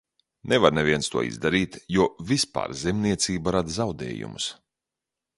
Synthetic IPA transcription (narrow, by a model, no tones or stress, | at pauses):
nɛvaɾnɛvʲiɛnst̪uɔḭzd̪aɾiːt̪juɔvispa̰ːɾzɛmniɛt̪siːbaɾad̪zawd̪ɛ̰ːjṵmṵs